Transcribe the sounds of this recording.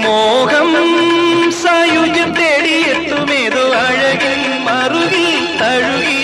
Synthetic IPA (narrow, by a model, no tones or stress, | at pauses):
moːɣɐmmsaːjud͡ʒɐt̪eːɽijet̪ːumeːðuaːɻɐɡi | mɐɾuʋi | t̪ɐɻui